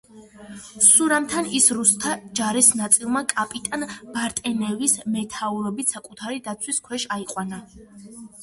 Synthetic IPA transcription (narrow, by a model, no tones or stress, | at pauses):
suɾamt̪ʰanisɾust̪ʰad͡ʒaɾɛsnat̪sʼilˠmakʼapʼit̪ʼanb̥aɾt̪ʼɛnɛvismɛt̪ʰauɾɔbit̪ʰsakʼut̪ʰaɾid̪at̪sʰwiskʰwɛʃaiqʼwana